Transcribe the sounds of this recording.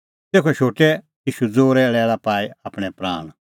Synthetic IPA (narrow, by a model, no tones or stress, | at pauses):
t̪eːkʰoɛʃoːʈɛ | jiːʃud͡zoːɾɛɭɛːlapaːiapɽ̃ɛpɾa̰ːɽ̃